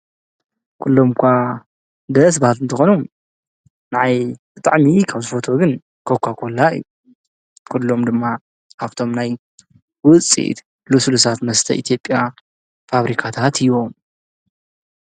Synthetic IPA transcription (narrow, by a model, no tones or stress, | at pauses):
kʰulːo̞mkʰʷa | d̪ɐs̬bahat̪ɨnt̪ʰɐxonu | naʕajb̥ɨt̪ʼa̰ʕmikʰaβzɨfo̞t̪ʰo̞ɡɨn | kʰokʷʰakʰolːaɨ̰jːu | kʰulːo̞md̪ɨmːa | aβt̪ʰo̞mnaj | wʊt͡sʼḭt̪ | lusulusat̪mɐst̪ʰɐ̰ʔit̪ʰjo̞pʼːja | faβɾikʰat̪ʰat̪ʰɨjβo̞m